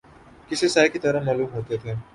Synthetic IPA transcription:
kɪsesaːjkit̪ɐɾəmaːluːmɦoːt̪et̪ʰeː

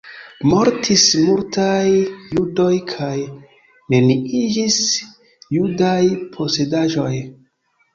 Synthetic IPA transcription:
mo̞ɾtʰismultajːudo̞jkʰaj | ne̞niid͡ʒis | judajpʰo̞se̞daʒo̞j

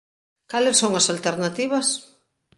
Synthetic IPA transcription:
kalesːoŋɐsalt̪eɾnat̪iβɐs

